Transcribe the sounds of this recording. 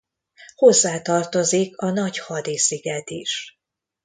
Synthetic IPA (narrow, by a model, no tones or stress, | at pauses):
ho̞zːaːt̪ɒrt̪o̞zikʰɒnɒchɒd̪isiɡɛt̪iʃ